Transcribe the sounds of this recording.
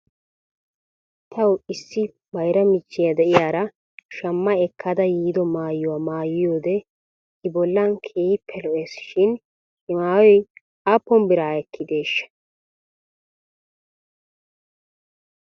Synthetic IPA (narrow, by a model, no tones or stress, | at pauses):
t̪ʰɐwɪsːɪ | bɐjɾɐmɪt͡ʃːɪjɐd̪ɛʔɪjaːɾɐ | ʃɐmːɐɛkːɐd̪ɐjiːd̪ɔmaːjːʊwaːmaːjɪjoːd̪ɛ | ɪbɔlːɐnkʰiːpʰːɛlɔʔeːsʃɪn | ɪmaːwɔj | aːpːɔnbɪɾaːɛkʰːɪd̪e̞ːʃːɐ̥